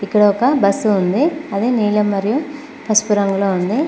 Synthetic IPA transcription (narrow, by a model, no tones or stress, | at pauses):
ikːɐɽɐɔkɐbɐsːuːnd̪iɐd̪eːniːlɐmːɐɾiju | pɐspuɾɐŋɡuloːund̪i